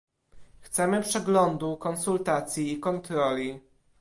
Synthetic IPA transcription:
xt̪sɛmɘpʂɛɡlɔnd̪ukɔnsult̪at̪sʲjiːkɔnt̪ɾɔlʲi

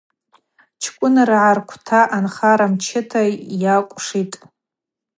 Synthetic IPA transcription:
t͡ʃʰkʷʼʊnarʕarkʷʰtʰaʔanχaɾamt͡ʃʰɪtʰajakʷʼʂitʼ

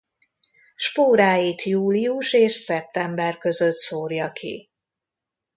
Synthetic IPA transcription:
ʃpoːɾaːjiːt̪juːliuʃeːʃsɛp̚t̪ɛmbɛrkø̞zø̞t̪soːrjɒkʰḭ

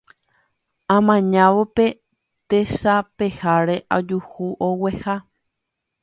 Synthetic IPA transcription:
ãmãɲãʋope̞ | t̪eʃape̞haɾe̞ʔad͡ʒuhuʔowe̞ha

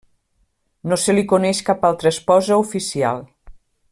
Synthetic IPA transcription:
noselikunɛʃkapalˠt̪ɾəːspɔzəufisia̰lˠ

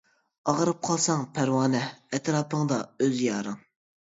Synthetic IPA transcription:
ɑʁəɾɨp̚qʰɑlˠsɑŋpʰæɾwɑːnɛɛt̪ɾɑːpʰəŋd̪ɑøzjɑːɾɨŋ

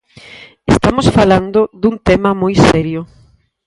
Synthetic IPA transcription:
est̪amosfaland̪ʊðunt̪ɛmɐmojsɛɾjʊ

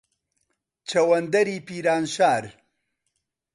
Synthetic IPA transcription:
t͡ʃʰɐwɐnd̪ɐɾiːpiːɾaːnʃaːɾ

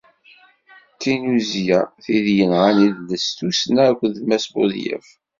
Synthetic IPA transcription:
t̪ːinuzjaθiðjənʁaniðlːəst̪usnækʷːðmæsbʊ̰ðjə̰f

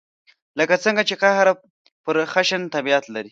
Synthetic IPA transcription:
ləkat͡səŋɡat͡ʃekahɾa | pəɾxaʃənt̪abiat̪laɾi

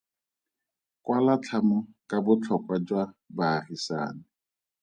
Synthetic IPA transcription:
kwalat͡ɬʰamʊkabʊt͡ɬʰɔkwad͡ʒwabaːrisa̰ːnɪ

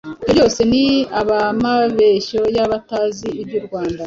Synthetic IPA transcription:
i̥ojo̞ːse̞niaβamaβe̞ʃo̞jaβataziːbjuɾɡwaːnda

